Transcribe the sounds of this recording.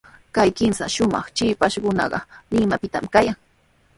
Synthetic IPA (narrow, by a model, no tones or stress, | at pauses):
kajkɪmsa̰ʃʊmɑ̰χt͡ʃɪpaʃɢʊnɑ̰ɢɑ̰lɪmapɪt̪amkajaŋ